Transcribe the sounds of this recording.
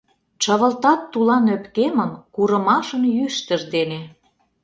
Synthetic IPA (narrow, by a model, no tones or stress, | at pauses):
t͡ɕɑβə̆lt̪ɑt̪ːulɑnøpkemənkuɾə̆mɑʃə̆njyʃt̪ə̆ʒd̪ene